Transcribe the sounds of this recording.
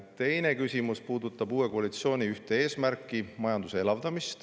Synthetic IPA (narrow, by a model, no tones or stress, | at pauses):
t̪e̞jne̞kysʲimuspuːd̪ut̪ːˑɑb̥uːe̞koɑlit̪sio̞ːnʲiyht̪e̞e̞ːsmærkˑːimɑjɑnd̪̥useelɑvd̪ɑmist̪